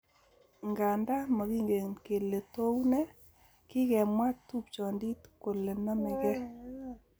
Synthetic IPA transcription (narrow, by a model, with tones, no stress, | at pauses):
ŋɡa˨nda˦mɔ˨ɣi˦ŋɡe˨ŋke˨le˨to˦wnɛ˦ | kɪ˦kɛ˨mwa˦tu˦p̚t͡ʃɔ˨ndi˦tko˨le˨nɔ˦mɛ˨ɡɛ˦